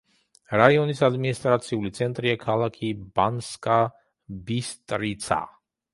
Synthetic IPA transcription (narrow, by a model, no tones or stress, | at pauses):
ɾaiɔnisad̪minist̪ʼɾat̪sʰiulit̪sʰɛnt̪ʼɾiakʰalˠakʰibanskʼa | bist̪ʼɾit̪sʰa̰